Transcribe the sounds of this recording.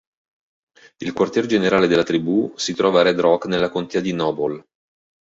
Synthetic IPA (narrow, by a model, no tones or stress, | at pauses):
ilkwart̪jɛɾd͡ʒeneɾaːled̪elːat̪ɾibusit̪ɾɔːvaɾɛd̪ɾɔknelːakont̪ɛːad̪inɔːbol